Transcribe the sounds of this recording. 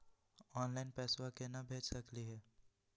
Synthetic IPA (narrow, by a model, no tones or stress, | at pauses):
ɔːnlaɪnpɛːswakenɐbʱeːt͡ʃsɐkliɦɛː